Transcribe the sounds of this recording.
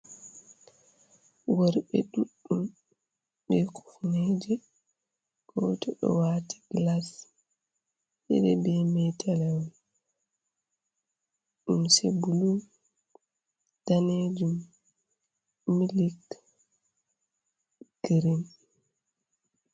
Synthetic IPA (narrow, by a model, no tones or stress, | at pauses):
wɔɾɓɛ̰ɗuɗːum | ɓɛkʰu̥fnɛːd͡ʒɛ | ɡ̥ɔtɔɗɔ̰waːti̥ɡ̥las | ɗɛ̰ɗɛ̰bɛmɛtʰalɛwɔl | ɗumsebulu | d̥aned͡ʒum | milik | ɡ̥ɾin